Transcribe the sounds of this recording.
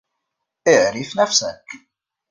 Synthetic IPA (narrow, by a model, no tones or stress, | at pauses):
ɪʕɾifnæfsæk